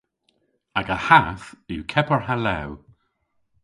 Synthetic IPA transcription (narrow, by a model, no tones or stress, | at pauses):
aɡəhaθɪwkʰɛpəɹhalɛw